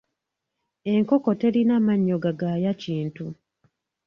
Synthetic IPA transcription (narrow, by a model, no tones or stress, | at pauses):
e̞ŋkoko̞te̞linamaɲːo̞ɡaɡaːjaciːntu